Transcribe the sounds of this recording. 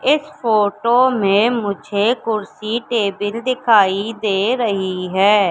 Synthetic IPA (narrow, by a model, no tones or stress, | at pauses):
ɪspʰoːʈoːmẽːmʊd͡ʒʱeːkʊɾsiːʈeːbɪld̪ɪkʰaːid̪eːɾəɦiːɦɛː